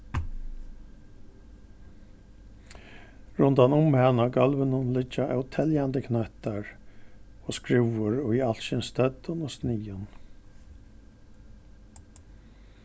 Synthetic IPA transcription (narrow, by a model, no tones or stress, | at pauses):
ɹʊnt̪anʊmhanaɡalʋənʊnlɪt͡ʃːaʔɛwt̪ʰɛljand̪əkʰnɛht̪aɹ | ɔːskɾɪwʊɾɔjalʃɪnst̪œt̪ʊnɔsniːʊn